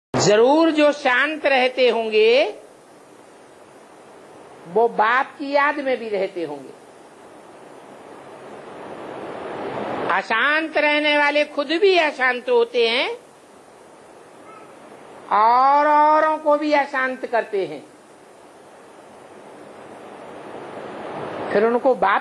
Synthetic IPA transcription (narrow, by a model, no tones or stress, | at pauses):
zɐɾuːɾd͡ʒoːʃãːnt̪ɾɛɦt̪eɦõːŋɡe | ʋobaːp̚kijaːd̪mẽbʱiɾɛɦt̪eɦõ̰ːŋɡḛː | aːʃãːnt̪ɾɛɦneʋaːlexʰʊd̪bʱiaːʃãːnt̪ɦoːt̪eɦɛ̃ː | ɔːɾɔːɾõkobʱiaːʃãːnt̪kɐɾt̪eɦɛ̰̃ː | pʰɪɾʊnkobaː